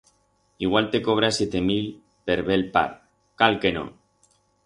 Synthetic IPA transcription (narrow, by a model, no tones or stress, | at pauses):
iɣwalt̪ekoβ̞ɾasjet̪emil | peɾβelpa̰ɾ | kalkeno̰